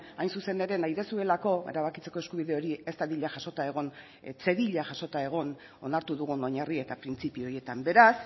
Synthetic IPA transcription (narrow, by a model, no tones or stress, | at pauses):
ajnsuse̞ne̞ɾe̞najðe̞sue̞lako̞e̞̰ɾaβ̞akit͡se̞ko̞e̞skuβ̞iðe̞o̞ɾie̞st̪aðiʎaʝaso̞t̪ae̞ɣ̞o̞n | t͡se̞ðiʎaʝaso̞t̪ae̞ɣ̞o̞n | o̞naɾt̪uðuɣ̞uno̞ɲarie̞t̪apɾint͡sipio̞ɾje̞t̪ambe̞ɾas